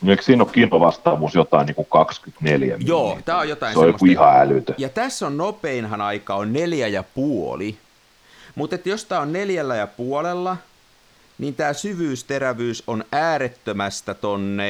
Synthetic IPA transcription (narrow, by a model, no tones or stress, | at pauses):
nieˑiksiːnokkiːnoʋɑst̪ɑːʋuːsjot̪ɑˑiniːkukɑkskyt̪neljæ̰mjoːt̪æːojot̪ɑinsoejomːosuihɑælyt̪øjɑt̪æsːonnopeinhɑnɑikɑonneljæjɑpuoli | mut̪et̪jost̪æːonneljælːæjɑpuolelːɑ | niːnt̪æːsyʋyːst̪eræʋyːsonæːret̪ːømæst̪æt̪onːe